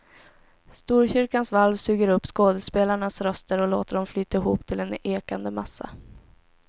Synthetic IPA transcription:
st̪uːɾɕʏɾkansvalvsʉ̟ːɡəɾɵpːskoːd̪əspeːlaɳasɾœst̪əɾɔloːt̪əɖɔmflyːt̪aɪɦuːpt̪ʰɪlɛneːkand̪əmasːa̰

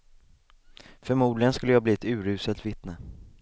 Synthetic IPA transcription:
fœɾmuːd̪lɪɡənskɵlːəjɑːbliːɛt̪ʉ̟ːɾʉ̟ːsəlt̪vɪt̪nə

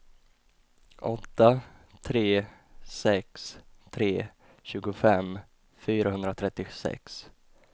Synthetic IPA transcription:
ʔɔt̪ːat̪ʰɾeːsɛkst̪ʰɾeː | ɕʉ̟ːɡʊfɛm | fyːɾaɦɵnd̪ɾat̪ʰɾɛt̪ːɪsɛ̰ks

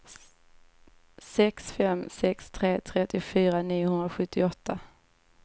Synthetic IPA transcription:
sɛksfɛmsɛkst̪ʰɾeːt̪ʰɾɛt̪ːɪʊfyːɾaniːʊhɵnd̪ɾaɧɵt̪ʰːɪɔt̪ʰːa

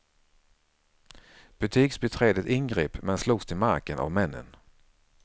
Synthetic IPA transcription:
b̥ɵt̪ʰiːksbɛt̪ʰɾeːd̪ət̪ɪnɡɾeːpmɛnsluːɡst̪ʰɪlma̰ɾkənʔa̰vmɛnːə̰n

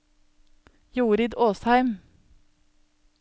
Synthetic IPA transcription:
juːɾɪd̪oːshæɪm

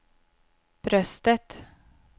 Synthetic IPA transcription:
b̥ɾœst̪ət̪

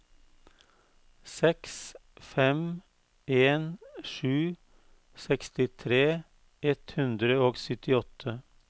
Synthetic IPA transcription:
sɛksfɛm | eːnʃʉː | sɛkst̪ɪt̪ʰɾeː | ɛt̪hʉnd̪ɾəoːɡsʏt̪ɪɔt̪ʰə

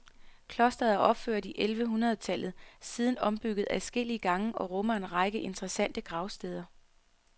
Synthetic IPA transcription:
kʰlɒ̽sd̥ɐðˠæʔɒ̽b̥fø̰ɐ̰d̥iʔelʋəɦunʁɐðˠt͡sʰælð̞̩ˠsið̞ˠn̩ɒ̽mb̥yɡ̥ð̞̩ˠæsɡ̥el̰iəɡ̥ɑ̈ŋəʔɒ̽ʁɔ̽mɐe̝nʁɑ̈ɪɡ̥əʔe̝nd̥ʁɛsæn̰d̥əɡ̥ʁɑ̈ʊsd̥eːð̞ˠɐ

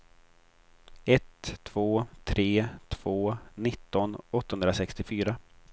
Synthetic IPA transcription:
ɛt̪ʰːv̥oːt̪ʰɾeːt̪ʰv̥oːnɪt̪ːɔnɔt̪ːahɵnɾasɛkst̪ɪfyːɾa

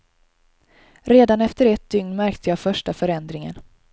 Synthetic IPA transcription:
ɾeːd̪anɛft̪əɾɛt̪̚d̪̥ʏŋnmæɾkt̪ʰəjɑːfœʂʈafœɾɛnd̪ɾɪŋə̰n

